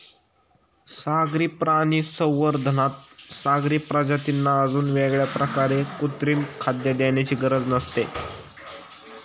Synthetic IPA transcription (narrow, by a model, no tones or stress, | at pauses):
saɡɾiːpɾaniːsəwːəɾd̪ʱənat̪̚saɡɾiːpɾad͡ʑat̪inːaəd͡zuːnʋeɡɭjapɾəkaɾekut̪ɾiːnkʰad̪jad̪jaɳjat͡ɕiːɡəɾəd͡znəst̪e